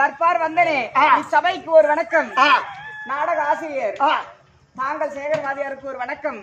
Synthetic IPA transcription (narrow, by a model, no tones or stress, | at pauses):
t̪ɐɾpaːɾʋɐnd̪ɐneːɪsɐbɐjkːɯɔɾɯʋɐɳɐkːɐmː | naːɽɐɣɐaːsɪɾɪjɐɾ | naːŋɡɐɭseːɣɐɾʋaːðɪjaːɾɯkːɯɔɾɯʋɐɳɐkːɐm